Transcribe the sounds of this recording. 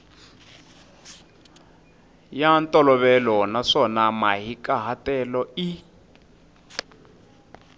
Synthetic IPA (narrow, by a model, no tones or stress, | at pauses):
jantʼɔlɔβɛlɔnaʂɔnamaɦikaɦatɛlɔi